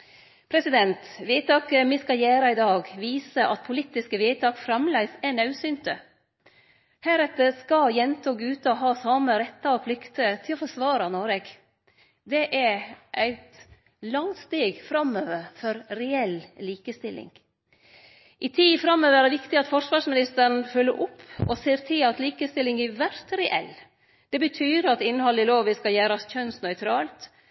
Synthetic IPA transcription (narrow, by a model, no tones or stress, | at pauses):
pʰɾɛsɪd̪ɛnt̪ʋiɪt̪ɑːkəmɪskɑjæːɾɑɪd̪ɑːɡʋiːsəʔɑt̪̚pʰʊlit̪ɪskəʋiɪt̪ʰɑːkfɾɑmlæɪsɛnɑʉsʏnt̪ə | hæːɾɛt̪əskɑjɛnt̪ʰoːɡʉːt̪əɔɦɑːsɑːməɾɛt̪ːɑɔpʰlʏkt̪ət̪ʰɪlɔfɔʂʋɑːɾɑnoːɾɛɡ | d̪ɛʔæʔæɪt̪ | lɑŋt̪st̪eːɡfɾɑmøːʋəɾfɔɾɾɛɛlliːkəst̪ɪlːɪ̰ŋ | ʔɪt̪ʰiːfɾɑmːøːʋəæɾd̪ɛʋɪkt̪ɪɑt̪fɔʂʋɑːʂmɪnɪst̪əɾn̩fœlːəɾʔʊpʰːɔ̰seːɾt̪ʰɪlɑt̪liːkəst̪ɪlːɪŋɛʋæɾt̪ɾɛʔɛ̰lː | d̪̥ɛbət̪ʰyːɾɑt̪ɪnːhɑlːɪloːʋəskɑljæːɾɑsçœnsnœʏt̪ʰɾɑːlt̪